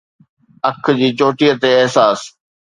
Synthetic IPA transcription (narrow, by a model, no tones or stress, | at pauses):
ɐkʰd͡ʑiːt͡ɕoːʈijət̪eɪɦsaːs